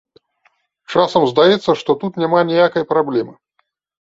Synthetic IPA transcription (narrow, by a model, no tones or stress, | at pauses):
t͡ʂasɐmzd̪ajɛt̪sːɐʂt̪ɔt̪ut̪nʲamanʲijakɐjpɾablʲɛmɨ